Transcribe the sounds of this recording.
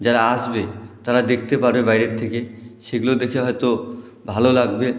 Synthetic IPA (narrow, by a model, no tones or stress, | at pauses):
d͡ʑaɾaaʃbet̪aɾad̪ek̚ʰt̪epaɾbebajɾet̪ʰːekeʃeɡulod̪ekʰeɦɔjt̪o | bʱalolaɡbe